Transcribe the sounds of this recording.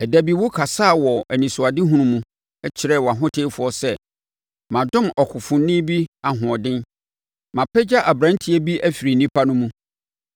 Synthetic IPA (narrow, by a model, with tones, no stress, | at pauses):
ɛ˨dæ˨bi˨wʊ˦kʰa˨saː˦˨wɔ˨æ˨nĩ˨sʊ˨a˨dɪ˦ɦũ˦ɾũ˨mũ˦ | ɛ˦t͡ɕʰɪ˨˦ɾɛ˦˨wɔ˨a˨ɦʊ̃˦tʰe˦fʊ˨ɔ˦sɛ˦ | mã˨dʊ̃˦mɔ˨kʰʊ˨fʊ̃˨nː˦ɪ̃˦bi˦a˨ɦʊ̃˨ɔ˨dɪ̃˦n | mã˨pʰɛ˦d͡ʑa˦ʔa˨bɾã˦n˦tʰɪ˦ɛ˦bi˦ʔæ˦fi˨ɾi˨nĩ˦pʰa˦nʊ̃˦mũ˦